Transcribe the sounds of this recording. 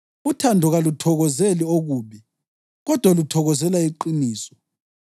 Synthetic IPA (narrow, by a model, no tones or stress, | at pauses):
utʰandʱɔɣalutʰɔɣɔzelioɣuːβi | ɣɔd̥ʱwalutʰɔɣɔzɛlaiǃiniːsɔ̥